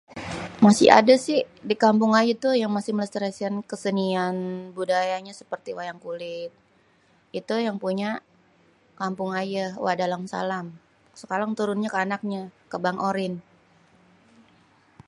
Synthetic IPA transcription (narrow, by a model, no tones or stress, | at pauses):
masɪ̰ha̰dasɪh | dikampʊŋajat̪ujaŋmasɪhmələst̪əɾasiankəsənianbudajaɲasə̥pərt̪iwajaŋkulɪt̪̚ | it̪ujaŋpuɲa | kampʊŋajawadalamsa̰lam | səkaɾaŋt̪uɾʊnɲakəanak̚ɲakəbaŋʔoɾɪn